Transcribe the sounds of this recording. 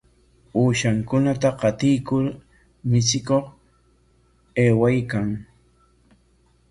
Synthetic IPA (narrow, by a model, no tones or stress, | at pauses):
uːʃaŋkʊnat̪aqɑt̪ɪjkʊɾ | mɪt͡sɪkoχ | eːwajkaŋ